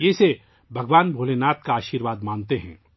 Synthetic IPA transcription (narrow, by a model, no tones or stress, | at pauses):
jeːse | bʱɐɡʋaːnbʱoːlenaːt̪̚kaaːʃiːɾʋaːd̪mãːnt̪eɦɛ̰̃ː